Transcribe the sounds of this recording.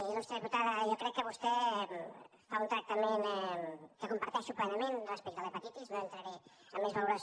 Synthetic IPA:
nɔst̪ɾəðiput̪aðəʒɔkɾɛkːəβust̪ɛ | faunt̪ɾək̚t̪əmenɛkəkumpɐɾt̪ɛʃuplɛnəmenrəspɛk̚t̪əlepət̪it̪iznoənt̪ɾəɾe | əmːezβəluɾəs

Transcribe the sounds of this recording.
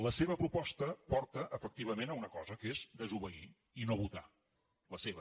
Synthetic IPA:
ləseβ̞əpɾupɔst̪əpɔɾt̪əʔəfək̚t̪iβəmenəunəkɔzəkezd̪əzuβəi | inoβut̪a̰ | ləseβə

